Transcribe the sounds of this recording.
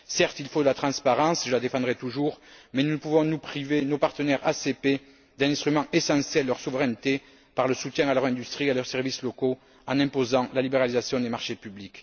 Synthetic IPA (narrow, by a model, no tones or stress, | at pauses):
sɛʁt̪ilfod̪əlat̪χɑ̃spaʁɑ̃sʒəlad̪efɑ̃d̪ʁɛt̪uʒuʁmɛnunəpuvɔ̃nupχivenopaʁt̪ənɛʁa̰sepe | d̪ɛ̃nɛ̃st̪χymɑ̃ʔesɑ̃sjɛlːœʁsuvəʁɛnət̪e | paʁləsut̪jɛ̃alœʁɛ̃nd̪yst̪χialœʁsɛʁvisloko | ɑ̃nɛ̃pozɑ̃lalibeʁalizasjɔ̃d̪emaʁʃepyblik